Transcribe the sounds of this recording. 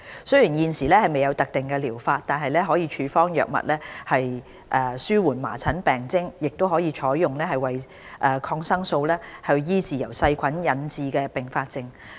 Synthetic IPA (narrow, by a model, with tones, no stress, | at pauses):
sɵ˥ɥjiː˨˩njiː˨˧nsiː˨˩lɛː˥hɐ˨jme˨jɐ˨˧wt̪ɐ˨k̚t̪ɪ˨˩ŋkɛ˧liː˨˩wfaː˧t̚t̪aː˨nɦɐ˨jlɛː˥ɦɔː˨˥jiː˧t͡ʃʰyː˨˧fɔː˥ŋjœ̰ː˨k̚mɐ̰˨t̚lɛː˥hɐ˨j | ʔɛː˧syː˥wuː˨˩nma̰ː˨˩t͡sʰɐ˨˥npɛː˨˩ŋt͡sɪ˥ŋjɪ˨k̚t̪o˥wɦɔː˨˥jiː˨˧t͡ʃʰɔː˨˥jːʊ˨ŋlɛː˥hɐ˨jwɐ˨j | ʔɛː˨˩kʰɔː˧ŋsɐ˥ŋso˧wlɛː˥hɐ˨˧wjiː˥t͡siː˨jɐ̰˨˩wsɐ˧jkʷʰɐ˨˥njɐ˨˧nt͡siː˧kɛː˧pɪ˨ŋfaː˧t̚t͡sɪ˧ŋ